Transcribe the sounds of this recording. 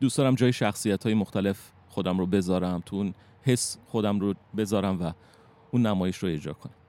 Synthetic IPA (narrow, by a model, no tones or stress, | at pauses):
d̪usd̪ɒːɾæmd͡ʒɒːjeʃæxsijæt̪ʰhɒːjemoxt̪ʰæle̞f | xo̞d̪æmɾobe̞zɒːɾæmt̪ʰuun | he̞sxo̞d̪æmrobe̞zɒːɾæmvæ | uːnːæmɒːje̞ʃroe̞d͡ʒɾɒ̰ːkʰonæmm